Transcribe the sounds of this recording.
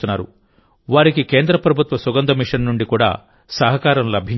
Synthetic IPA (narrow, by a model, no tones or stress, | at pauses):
unːaːɾṵ | ʋaːɾikike̞ːnd̪ɾɐpɾɐbʱut̪ʋɐsuɡɐnd̪ɐmiʂɐnnuɳɖikuːɽa̰ː | sɐɦɐkaːɾɐmlɐbʱi